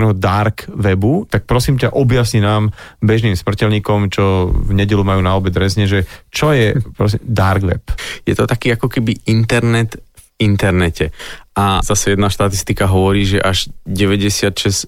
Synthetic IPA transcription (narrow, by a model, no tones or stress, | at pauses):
nɛɦɔd̪aɾkʋɛbut̪ak̚pɾɔsiːmcaʔɔbjasɲinaːmbɛʒniːmsmr̩cɛlɲiːkɔmt͡ʃɔvɲɛɟɛlumajuːnaɔbɛd̪ɾɛzɲɛʒɛt͡ʃɔjɛpɾɔs̬imd̪aɾɡʋɛ̰pjɛt̪ɔt̪akiːakɔkɛbiʔint̪ɛɾnɛt̪vint̪ɛɾnɛcɛʔazasɛjɛd̪naʃt̪at̪ist̪ikaɦɔʋɔɾiːʒɛʔaʒɟɛʋɛɟɛsɪat̪ʃɛs